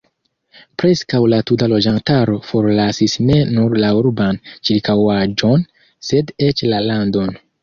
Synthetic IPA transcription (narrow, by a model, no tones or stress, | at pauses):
pɾe̞skawlatutalo̞d͡ʒantaɾo̞fo̞ɾlasisne̞nuɾlauɾbant͡ʃiɾkawad͡ʒo̞n | se̞det͡ʃlalando̞n